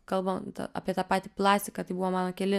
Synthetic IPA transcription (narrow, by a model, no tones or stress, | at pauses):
kɐlˠbɐmt̪ɐ̰ʔɐ̰ːpʲiɛt̪ɑːpɑːt̪ʲiplˠɑːsʲt̪ʲɪkɐt̪ɐɪbuʋoːmɑːnoːkʲɛlʲɪ